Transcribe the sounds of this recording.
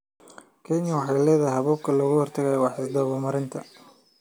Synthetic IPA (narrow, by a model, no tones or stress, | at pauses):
kʰɛnjɐwɑħɑjlɛːðɐɦɐβɔːb̚kʰɐlɔːɣʊhɔrt̪ʰɐɣajɔwɑħɪsd̪ɐːɣɔmɐɾɪnt̪ʰɐ